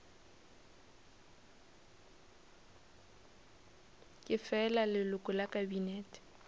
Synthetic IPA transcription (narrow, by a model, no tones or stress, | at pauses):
kʼɪfɛlalɪlʊkʼʊlakʼabinɛːtʼi̥